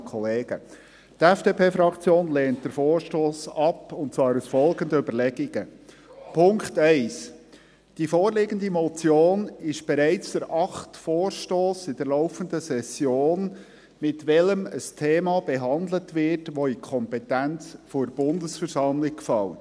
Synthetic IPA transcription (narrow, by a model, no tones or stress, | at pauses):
kʰɔleːɡə | tɛfd̥epʰeːfɾɑkʰt͡sjoːnlɛːnt̚d̥əɾfɔːɾʃtoːsɑpʊntt͡svɑːɾusfɔlɡənd̪əʏbəɾlɛɡiɡ̥ə | pʰʊŋktɛɪs | d̥ifɔːɾlɪɡəndimɔt͡sjoːnɪʃb̥ɛɾɛɪt͡sd̥̪əɾʔɑχtfɔːɾʃtoːsɪd̥əɾlɔʊfəndəsɛsjoːn | mɪtʋɛləməstʰeːmɑb̥ɛɦɑndlətʋɪtʋɔikʰɔmpɛtænt͡sfɔɾb̥ʊndəsfəɾsɑmlɪkkfɑl